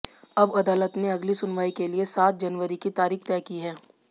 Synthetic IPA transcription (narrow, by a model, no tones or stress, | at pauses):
ɐbɐd̪aːlət̪neɐɡlisʊnʋaːikeliesaːt̪̚d͡ʒɐnʋəɾikit̪aːɾiːxt̪ɛːkiɦɛː